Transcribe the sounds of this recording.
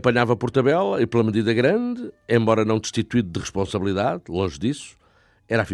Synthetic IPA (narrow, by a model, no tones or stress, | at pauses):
pɐɲavɐpɔɾt̪ɐβɛlˠɐiplˠɐmɨðiðɐɣɾɐ̃nd̪ɨẽmbɔɾɐnɐ̃w̃d̪ʃt̪it̪wiðuðɨʁɨʃpõsɐβlˠiðaðlˠõʒðisu̥ | ɛɾafi